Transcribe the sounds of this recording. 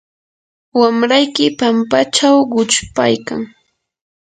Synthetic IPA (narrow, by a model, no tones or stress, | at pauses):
wamɾajkɪpampat͡ʃawɢʊt͡ʃpa̰jka̰ŋ